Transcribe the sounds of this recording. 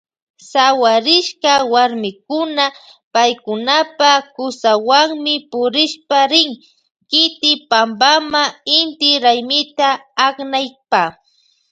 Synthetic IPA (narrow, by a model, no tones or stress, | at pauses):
sawaɾɪʃkawaɾmɪkʊna | pajkʊnapakʊsawaŋmɪpʊɾɪʃpaɾɪŋ | kɪt̪ɪpampamaɪnt̪ɪɾajmɪt̪aːknajpa